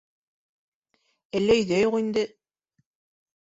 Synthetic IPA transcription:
ælːæɵ̆jðæjoqind̪ɘ

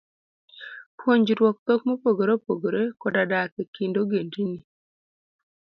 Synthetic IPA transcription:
pwoɲd͡ʒiɾwɔk̚t̪ɔk̚mopoɡoɾopoɡoɾekɔdadakekindoɡend͡ʒini

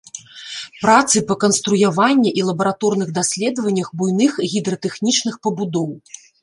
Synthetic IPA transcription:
pɾat̪sɨpɐkɐnst̪ɾujavanʲːɛʔilˠɐbɐɾat̪ɔrn̪ɨɣd̪asʲlʲɛd̪vɐnʲːɐxbujnɨxɣʲid̪ɾɐt̪ɛxnʲit͡ʂnɨxpɐbud̪ɔw

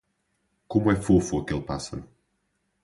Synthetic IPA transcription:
komwɛfofuɐkelˠpasɐ̰ɾu

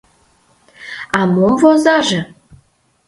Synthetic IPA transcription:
ɑmomvozɑʒɤ̆

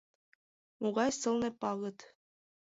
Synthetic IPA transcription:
muʁɑjsɤ̆lˠnɤ̆pɑɣɤ̆t̪

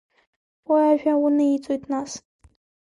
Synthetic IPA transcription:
waaʒᶣawunɨit͡sʼojtʰʼnas

